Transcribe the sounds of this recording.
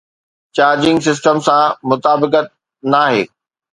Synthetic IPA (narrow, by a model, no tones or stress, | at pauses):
t͡ɕaːɾd͡ʑɪ̃ŋɡs̬ɪs̬ʈəmsãmʊt̪aːbɪkət̪̚ | naːɦḛː